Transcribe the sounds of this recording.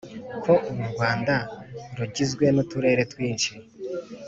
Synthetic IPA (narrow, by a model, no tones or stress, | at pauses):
kʰo̞ʔuβuɾɡwaːndaɾuɟizɡwe̞nutuɾe̞ːɾe̞twiːnʃi